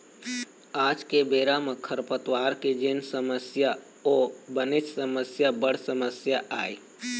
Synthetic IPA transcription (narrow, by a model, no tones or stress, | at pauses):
aːd͡ʒkebeːɾaməkʰəɾpət̪waːɾked͡ʒɪnsəməsja | oːbənɪt͡ʃsəməsjabəɽ̤səməsjaʔaːi